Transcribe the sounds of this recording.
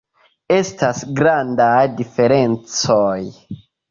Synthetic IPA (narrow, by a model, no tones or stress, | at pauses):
e̞stasɡɾandajdife̞ɾe̞nt͡soj